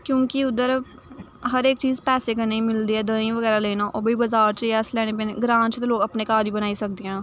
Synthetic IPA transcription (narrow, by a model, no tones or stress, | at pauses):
kjõːkɪʊd̪əɾ | ɦəɾeːkt͡ʃiːzpɛːseːkəneimɪld̪iːɛːd̪ə̃ːĩːʋəɡɛːɾaːleːnãːʔoːbiːbəzaːɾt͡ʃəɛslɛːɽ̃eːpeːneɡɾãːnt͡ʃt̪eloːɡəpneːkaːɾiːbənaːisək̚d̪eːɦɛ̃ː